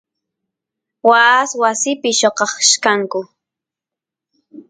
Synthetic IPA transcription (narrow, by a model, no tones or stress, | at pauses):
waswasɪpɪʃoqɑχʃkaŋkʊ